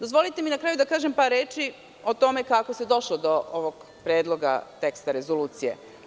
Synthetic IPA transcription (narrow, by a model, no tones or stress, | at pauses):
d̪ozʋo̞lit̪eminakɾaːjud̪akaːʒempaːɾːe̞ːt͡ʃi | o̞t̪o̞me̞kako̞sed̪o̞ʃlod̪o̞oʋoɡ | pɾeːd̪lˠo̞ɡa̰t̪e̞kst̪aɾe̞zoluːt̪sijḛ